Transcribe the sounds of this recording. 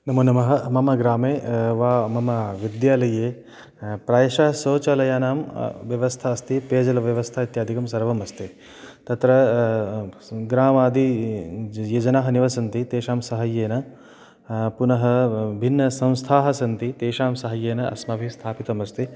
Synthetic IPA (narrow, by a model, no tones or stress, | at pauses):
nɐmunɐmɐɦɐmɐmɐɡɾaːmeːʋaːmɐmɐʋid̪jaːlɐjeː | pɾaːjɐʃɐɦɐsoːt͡ʃɐlɐjaːnaːmʋjɐʋɐst̪ʰaɐst̪ʰipeːd͡ʒɐlɐʋjɐʋɐst̪ʰaːit̪jaːd̪ʱikɐmsɐɾʋɐmɐst̪ʰeː | t̪ɐt̪ɾɐ | ɡɾaːmaːd̪i | jɐd͡ʒɐnaːɦɐniʋɐsɐnt̪it̪eːʃaːmsɐɦɐjeːnɐ | punɐɦɐbʱinːɐsɐ̃w̃st̪ʰaːɦɐsɐnt̪it̪eːʃaːmsɐɦɐjeːnɐʔɐ̰smɐbʱist̪ʰaːpit̪ɐmɐst̪ʰi